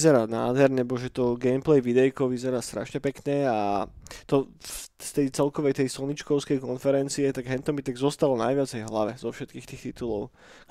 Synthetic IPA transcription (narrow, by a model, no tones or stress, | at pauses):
zɛɾaːna̰ːd̪ɦɛɾɲɛbɔʒɛt̪ɔɡɛjmplɛjʋid̪ɛjkɔʋizɛɾaːst̪ɾa̰ʃɲɛpɛkɲɛa̰t̪ɔst̪ɛjt͡sɛlkɔʋɛjt̪ɛjsɔɲit͡ʃkɔʊskɛjkɔnfɛɾɛnt͡siɛt̪aɡɦɛnt̪ɔmit̪ɛɡzɔst̪alɔnajʋɪat͡sɛjɦlaʋɛzɔfʃɛt̪̚kiːxt̪iːxt̪it̪ulɔʊ